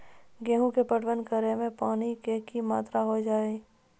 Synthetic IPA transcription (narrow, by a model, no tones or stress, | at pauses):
ɡɛːɦũkepəɽʋənkəɾemẽpaːnikekimaːt̪ɾaɦod͡ʒaːe